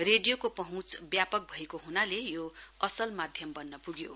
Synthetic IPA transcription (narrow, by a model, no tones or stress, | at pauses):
reɖijokopʌɦũt͡sbjapʌk̚bʱʌekoɦunalejoʌsʌlmad̪ʱjʌmbʌnːʌpuɡjo